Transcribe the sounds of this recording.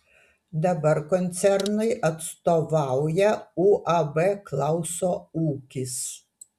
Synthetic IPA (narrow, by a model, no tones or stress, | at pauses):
d̪ɐbɐɾkɔnʲt̪sʲɛɾnɐɪʔɐt̪st̪oʋɑˑʊjɛuːʔɐbɛklˠɑˑʊsoːuːkʲɪs